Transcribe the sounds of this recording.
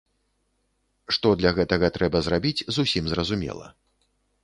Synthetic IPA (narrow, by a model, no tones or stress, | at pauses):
ʂt̪ɔd̪lʲɐɣɛt̪ɐɣɐt̪ɾɛbɐzrabʲit͡sʲzusʲimzrɐzumʲɛ̰lˠɐ̰